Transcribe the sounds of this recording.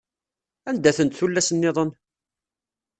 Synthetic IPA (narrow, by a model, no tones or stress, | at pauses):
ænd̪æθənt̪θulːæsənːɪðˤən